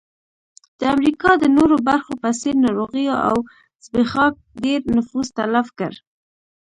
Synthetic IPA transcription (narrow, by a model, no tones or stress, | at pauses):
d̪̥əamɾikɑd̪ənoɾobaɾxopaseɾnɑɾoɣijoʔa̰w | z̥bexɑk̚ɖeɾnʊfuzt̪alafkə̰ɾ